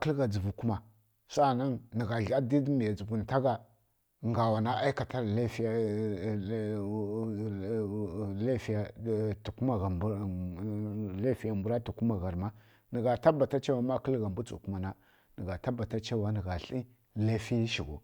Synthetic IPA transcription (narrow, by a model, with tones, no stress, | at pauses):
kə˦lɡa˨d͡zə˨vu˨ku˦ma˨ | sa˦na˦ŋnə˨ɣa˨ɬa˦di˦dmi˨a˨d͡zu˨vu˨n˨ta˦ɡa˨ | ŋɡa˨wa˨na˦ʔa˦i˦ka˨ta˦ɾle˦fi˦j | le˦fi˦ja˨tu˨ku˦ma˨ɣa˨˦ | le˦fi˦ja˨mbu˨˦ɾa˦tu˨ku˦ma˨ɣa˨ɾma˦ | nə˨ɡa˨ta˦ba˨ta˦t͡ʃa˦wa˦ma˦kə˦lɣa˨mbu˦t͡sṵ˨ku˦ma˨na˦ | nə˨ɡa˨ta˦ba˨ta˦t͡ʃa˦wa˦nə˨ɡa˨ɬi˦ | le˦fi˦ʃi˨ɡo̰˨